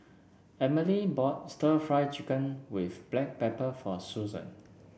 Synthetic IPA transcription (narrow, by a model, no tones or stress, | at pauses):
ɛməlibɔt̚stəfɹaɪt͡ʃikə̃nwifb̥lɛk̚pɛpəfɔsuzə̰̃n